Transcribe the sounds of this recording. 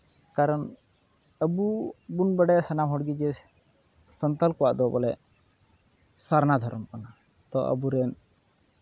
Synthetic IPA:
kaɾɔɳ | əbubunbəɖɛsənamɦɔɽɡid͡ʒɛ | sənt̪alkɔwaʔd̪ɔbɔlɛ | saɾnad̪ʱɔɾɔmpana | t̪ɔʔə̰buɾɛn

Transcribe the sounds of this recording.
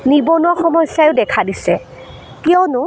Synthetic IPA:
nibɔnuaxɔmɔjsjajʊdɛkʰadisɛ | kijɔnʊ

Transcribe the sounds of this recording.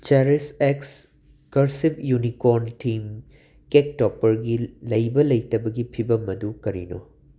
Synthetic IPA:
t͡ʃeɾiseks | kɐɾsipjunikoɾntʰim | kek̚topːɐɾɡilɐjbɐlɐjtɐbɐɡipʰibɐmɐdukɐɾḭno̰

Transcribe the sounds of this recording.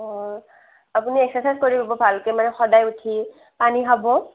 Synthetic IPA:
ɔ | apuniɛksɛsaskoɹibabɔbʱalkɛmanɛxɔdajutʰi | paniɦabɔ

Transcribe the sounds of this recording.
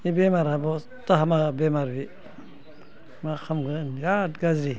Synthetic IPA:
nibemaɾabɔ | taɦamabemaɾbi | maxʰamɡɯjatɡazɾi

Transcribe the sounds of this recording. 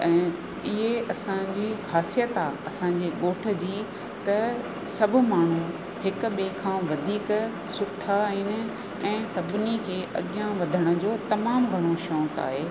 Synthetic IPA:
ɛ̃ː | ɪɦeʔɐsãd͡ʑiːxaːsijət̪aːɐsãːɲd͡ʑeːɠoːʈʰə̆d͡ʑiː | t̪ɐ | sɐbʱʊ̆maːɳ̤u | ɦɪk̆ɓeːkʰãːʋɐd̪ʱiːk | sʊʈʰaɦinɪ̆ | ɛ̃ːsɐbʱɪnikʰeːʔɐ̰ɠɪjãʋɐd̪ʱəɽ̃ə̆d͡ʑoːt̪ɐmaːmɡʱɐɽ̃oʃɔ̃ːka̰ːɦeː

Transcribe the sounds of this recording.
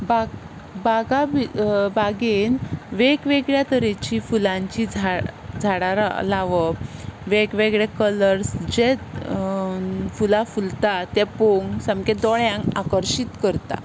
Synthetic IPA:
ba | baɡabibaɡenʋekʋeɡɭjat̪əɾet͡ɕifulãɲt͡ɕid͡zʱad͡zʱaɽaɾa̰laʋəʋekʋeɡɭakələɾsd͡ʑe | fulafult̪at̪jɛpoŋɡsãmked̪oɳjãŋakəɾɕit̪kəɾt̪a̰

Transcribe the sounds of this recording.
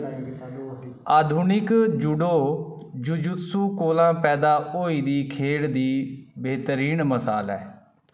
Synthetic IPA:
aːd̪ʱunɪkd͡ʒʊɖoː | d͡ʒʊd͡ʒʊt̪suːkoːlãːpɛːd̪aːoːiːd̪iːkʰeːɽd̪iːbeːt̪ɾiːnməsaːlɛ̰ː

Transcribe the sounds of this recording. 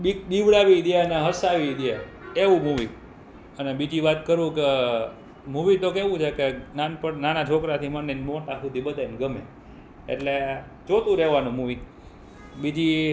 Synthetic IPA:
bid̪iʋɭaʋid̪eneɦəsaʋid̪je | eʋũmuʋi | ənebid͡ʒiʋat̪kəɾũke | muʋit̪okeʋũt͡ʃʰekenanpənanat͡ʃʰokɾat̪ʰimənːenimoʈasud̪ʱibəd̪ʱanɡəme | ḛʈle | d͡ʒot̪ũɾɛʋanũmuʋi | bid͡ʒi

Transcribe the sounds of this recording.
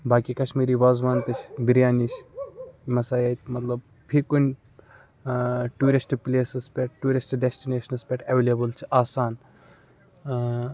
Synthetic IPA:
baːkikɐʃmiːɾiʋaːzʋaːnt̪ɨt͡ʃʰbiɾjaːnit͡ʃʰ | mɐsaːjaːt̪mɐt̪lɐb | pʰikunʲ | ʈuːɾisʈpleːsɨspʲeʈʈuːɾisʈɖesʈineːʃɐnɨspʲeʈɐʋeːlʲebɨlt͡ʃʰi̥aːsaːn

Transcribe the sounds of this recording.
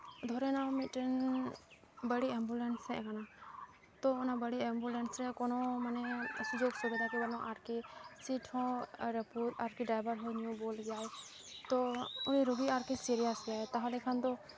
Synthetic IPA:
d̪ʱɔɾɛnawmiʈɛn | bəɽiɛmbulɛnsɛʔkana | t̪ɔʊnabəɽiɛmbulɛnsɾɛkɔnɔmanɛsud͡ʒoɡsubid̪ʱakɛbanɔʔaɾkisiʈʰɔ̃ɾɛput̪aɾkiɖajbəɾɦɔjnijũbolɡɛjaj | t̪ɔuniɾɔbiaɾkisiɾijasɡɛajt̪aɦãlɛkʰant̪ɔ

